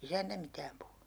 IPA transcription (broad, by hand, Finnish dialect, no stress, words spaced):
isæntæ mitæːm puhunu̥